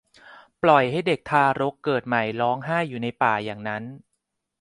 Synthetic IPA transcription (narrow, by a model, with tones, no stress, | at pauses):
plɔ˨˩jha˥˩jde˨˩k̚t̪ʰaː˧ɾo˦˥kːɤː˨˩t̪̚ma˨˩jlɔː˦˥ŋɦaː˥˩jːuː˨˩na˧jpaː˨˩jaː˨˩ŋna˦˥n